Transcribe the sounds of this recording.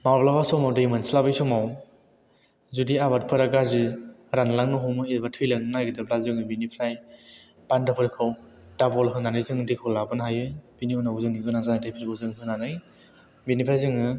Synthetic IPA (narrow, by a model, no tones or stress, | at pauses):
mawblabasɔmawdɯimɯnslabɯjsɔmaw | zudiaβat̚pʰɯɾaɡazɯɾanlaŋnuɦɔmɯibatʰɯjlaŋnajɡɯdɯblazɯŋɯbinipʰɾaj | pandapʰɯɾkʰɯw | dabɔlɦɯnanɯjzɯŋdikʰɯwlabɯnɦajɯb̥iniunaɡuzɯŋɡɯnazanajdʰajpʰiɾɡɯzɯŋɦɯnanɯj | binipʰɾajzɯŋɯ